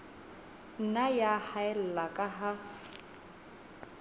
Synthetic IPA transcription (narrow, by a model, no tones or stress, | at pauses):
n̩najahaɛl̩lakʼaɦa